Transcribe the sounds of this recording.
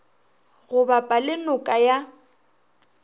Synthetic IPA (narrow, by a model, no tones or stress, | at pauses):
ɣʊbapʼalɪnʊkʼaja